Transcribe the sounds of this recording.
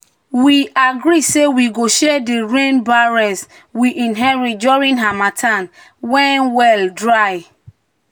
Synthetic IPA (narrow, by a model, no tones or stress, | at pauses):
wiaɡɹisewiɡoʃɛdiɹẽnbaɹɛs | wiʔĩnɦɛɹit̚d͡ʒɔɹĩnɦamatʰãn | wɛ̃nwɛldɹaj